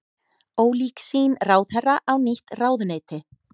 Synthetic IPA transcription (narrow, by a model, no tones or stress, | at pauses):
oːwliːksiːnraːwθhɛraʔawniht̪raːwðneːt̪ɪ